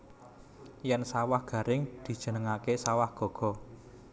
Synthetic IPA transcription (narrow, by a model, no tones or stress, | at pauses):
jɛnsawahɡ̥ä̤ɾɪŋd̪̥i̤d̥ʒ̥ə̤nəŋakesawahɡ̥ɔ̤ɡ̥ɔ̤